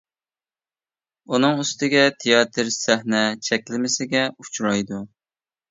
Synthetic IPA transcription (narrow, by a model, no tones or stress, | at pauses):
unɨŋyst̪ɪɡʲɛt̪ʰejɑt̪ʰɨɾsæhnɛt͡ʃʰɛkʲlɪmɪsɪɡʲɛut͡ʃʰɾɑjd̪u